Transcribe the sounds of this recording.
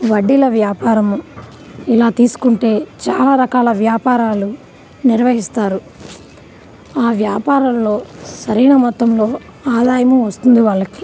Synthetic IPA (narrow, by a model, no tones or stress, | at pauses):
ʋɐɖːilɐʋjaːpaːɾɐm | ilaːt̪iːsu̥kuɳʈe̞ːt͡ʃa̰ːlaːɾɐkaːlɐʋjaːpaːɾaːlu | niɾʋɐɦist̪aːɾu | aːʋjaːpaːɾɐmlo̞ːsɐɾiːnɐmɔt̪ːɐmlo̞ː | aːd̪aːjɐmuʋɐst̪und̪iʋaːɭːɐki̥